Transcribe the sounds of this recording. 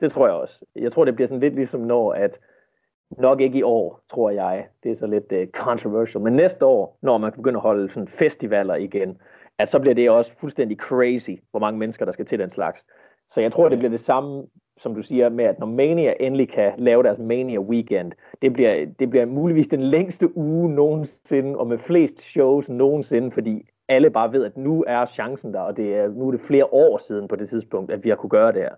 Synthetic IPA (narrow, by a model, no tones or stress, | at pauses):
d̥e̝t͡sʰʁo̝ɐ̰jaɪɒ̽sjɑ̈ɪt͡sʰʁo̝ɐ̰de̝b̥liɐsɒ̽n̩le̝d̥lisɒ̽mnɒ̰ːæd̥ | nɒ̽ɡ̥e̝ɡ̥iɒ̰ːt͡sʰʁo̝ɐ̰jɑ̈ɪd̥e̝æɐsɒ̽le̝d̥kʰɒnt͡sʰʁoʋæɐɕl̩menːesd̥əɒ̰ːnɒːmænkʰæb̥e̝ɡøn̰æhɒ̽ləsɒ̽nfesd̥iʋæl̰ɐiɡ̥en | æ̥sɒ̽b̥liɐd̥e̝ɒ̽sə̥fulsd̥en̰d̥ikʰʁeɪsiʋɒmɑ̈ŋəmenəsɡ̥ɐɾ̥ɑ̈sɡ̥æt͡sʰe̝ldenslɑ̈ɡ̥s | sɒ̽jɑɪt͡sʰʁo̝ɐ̰ɾ̥e̝b̥liɐd̥e̝sɑ̈mə | sɒ̽md̥usiːɐmeæd̥nɒmeniæʔe̝nlikʰælɛːʊɾæɐsmeniɐwikʰen̰d̥ | d̥e̝b̥liɐd̥e̝b̥liɐmuːliʋḭːsd̥enleŋ̰sd̥əʔuːno̝ːn̩se̝nəʔɒ̽mefle̝̰ːsd̥ɕoʊsno̝ːn̩se̝nəfɒ̽d̥ḭː | æləb̥ɑ̈ːʋe̝ð̞ˠæd̥nuæɐɕɑ̈ŋsn̩d̥ɑ̈ɒ̽d̥e̝æɐnuæɐɾ̥e̝fle̝ːɐʔɒ̰ːsiːð̞ˠn̩pʰɒ̽d̥e̝t͡sʰiðˠsb̥ʰɔ̽ŋ̰d̥æd̥ʋihɑ̈kʰuɡ̥ɶːɐd̥eæɐ